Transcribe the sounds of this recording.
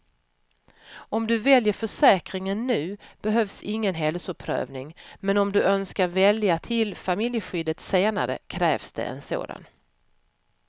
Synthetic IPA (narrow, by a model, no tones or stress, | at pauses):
ɔmd̪ɵvɛljəɾfœʂɛːkɾɪŋənːʉ̟ːb̥ɛɦœvsɪŋːənɦɛlsʊpʰɾœ̰ːvnɪŋmɛnɔmd̪ɵœnskaɾvɛljat̪ʰɪlfamɪljəɧʏd̪ət̪seːna̰ɾə̰kʰɾɛːvsd̪̥ɛ̰ɛ̰nso̰ːd̪a̰n